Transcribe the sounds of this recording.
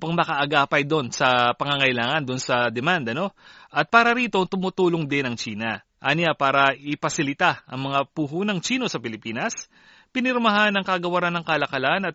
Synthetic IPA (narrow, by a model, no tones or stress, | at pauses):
pɐŋmɐkɐʔɐɡaːpɐjd̪o̞nsɐpɐŋɐŋɐjlaːŋɐnd̪onsɐd̪ɛmand̪ɐno̞ʔɐt̪̚paːɾɐɾiːt̪o̞t̪ʊmut̪uːloŋd̪ɪnɐŋt͡ʃiːnɐ | ʔanɪjapaːɾɐʔɪpɐsɪlɪt̪aʔɐ̰ŋmɐŋapuɦuːnɐŋt͡ʃiːno̞sɐpɪlɪpiːnɐs | pɪnɪɾmɐɦanɐŋkɐɡɐwɐɾanːɐŋkɐlɐkɐlanɐt̪̚